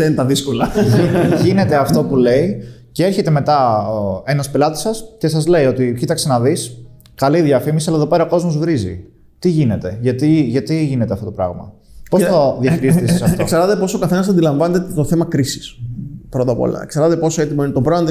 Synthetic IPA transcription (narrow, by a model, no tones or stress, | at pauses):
ent̪ɐðisko̞lɐ | ʝine̞t̪eɐft̪o̞pule̞i | cee̞ɾçe̞t̪e̞me̞t̪ɐenɐspelɐt̪i̥sɐsce̞sɐzle̞io̞t̪icit̪ɐkse̞nɐðis | kɐliðjɐfimisiɐlɐeðope̞ɾɐoko̞zmo̞zvɾizḭ | t̪iʝine̞t̪e̞ʝɐt̪iʝɐt̪iʝine̞t̪eɐft̪ot̪pɾɐ̰ɣmɐ̰posɐðjɐçiɾisissɐfokseɾðɐt̪e̞po̞sokɐθenɐs̬ɐnd̪ilɐɱvɐnet̪et̪oθemɐkɾisi̥spɾot̪ɐpo̰lɐ̰kseɾðɐt̪epo̞soe̞t̪imɐinet̪obɾoɐnt̪